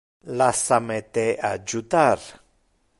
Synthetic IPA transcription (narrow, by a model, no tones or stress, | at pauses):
lasamet̪ead͡ʒut̪aɾ